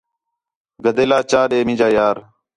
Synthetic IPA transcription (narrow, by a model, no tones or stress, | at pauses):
ɡəd̪eːlaːt͡ʃaːɗeːmĩːd͡ʒaːjaːɾ